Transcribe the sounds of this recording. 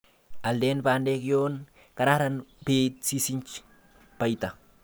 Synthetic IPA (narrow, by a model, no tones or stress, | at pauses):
aldenpandekjon | kanahɾanpet̪̚sisint͡ʃ | pajt̪a